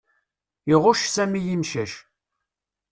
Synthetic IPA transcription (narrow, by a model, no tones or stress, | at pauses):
ɪʁʊʃsæmijinʃæʃ